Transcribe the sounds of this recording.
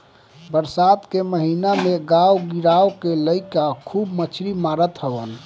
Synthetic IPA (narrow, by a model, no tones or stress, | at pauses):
bəɾsad̪keməɦinameɡawɡiɾawkeləɪkakʰubmət͡ʃʰɾimaɾət̪ɦəbən